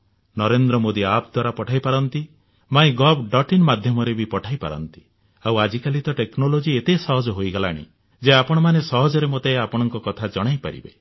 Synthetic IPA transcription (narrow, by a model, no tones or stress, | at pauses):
nɔɾend̪ɾɔmod̪iapd̪waɾapɔʈʰajpaɾɔnt̪i | maĩɡɔbɖɔʈinmad̪ʱjɔmɔɾebipɔʈʰajpa̰ɾɔ̰nt̪i̥ | awad͡ʒikalit̪ɔʈeknolod͡ʒiet̪esɔɦɔd͡ʒɔɦojɡala̰ɽ̃ḭ | d͡ʒeapɔɽ̃ɔmanesɔɦɔd͡ʒɔɾemot̪eapɔɽ̃ɔŋkɔkɔt̪ʰad͡ʒɔɽ̃ajpa̰ɾḭbḛ